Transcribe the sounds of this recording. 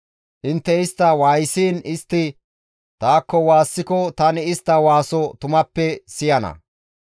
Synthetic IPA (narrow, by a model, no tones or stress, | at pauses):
ʔɪnt̪ːɛɪst̪ːɐwaːjsiːnɪst̪ːɪ | t̪aːkːɔwaːsːɪkɔt̪ɐnɪɪst̪ːɐwaːsɔt̪ʊmɐpːɛsɪjɐnɐ̰